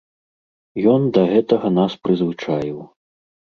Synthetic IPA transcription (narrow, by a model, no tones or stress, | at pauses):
jɔnd̪ɐɣɛt̪ɐɣɐnaspɾɨzvɨt͡ʂajiw